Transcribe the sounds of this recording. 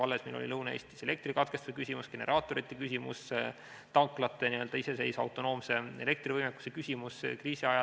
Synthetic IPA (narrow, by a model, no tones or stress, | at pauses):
ɑlːe̞smilʔo̰lḭlɤwnɑeːst̪ise̞le̞k̚t̪rikɑt̪̚kest̪usekysʲimusɡ̥e̞ne̞ɾʔɑːt̪ːˑo̞ɾit̪ːˑekysʲimṵs | t̪ɑŋklɑt̪ːˑe̞niø̞ld̪ɑise̞se̞jsɑ̰wt̪ˑo̞no̞ːmse̞e̞̰le̞k̚t̪rivɤjmekːˑu̥sekysʲimuskriːsiɑjɑ